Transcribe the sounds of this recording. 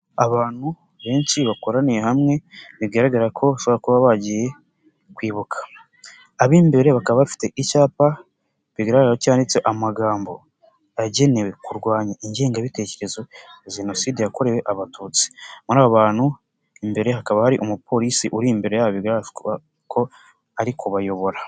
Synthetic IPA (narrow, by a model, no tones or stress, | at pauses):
aβaːn̥hu | βe̞ːnsiβako̞ɾanejehamŋe̞niβɡaɾaɡaɾakʰo̞aʃoβoɾakuβaβaɟije̞ | kwiːβukʰḁ | aβimbe̞ɾeβakaβaβifi̥te̞ʔicaːpa | βiɡaɾaɡaacaːndit͡se̞ʔamaɡaːmbo̞̰ | aɟe̞ne̞we̞kuɾɡwaːɲaʔiɲɟe̞ːŋɡaβite̞ce̞ɾe̞zoʒeno̞siːdejako̞ɾe̞we̞ʔaβatʰuːt͡si̥muɾaːβoβaːn̥hu | imbe̞ɾe̞ɦakaβahaɾiʔomupʰo̞ɾisiʔuɾimbe̞ɾe̞jaβiɡaɾ | kʰo̞ | aɾikʰoβajo̞βo̞ɾa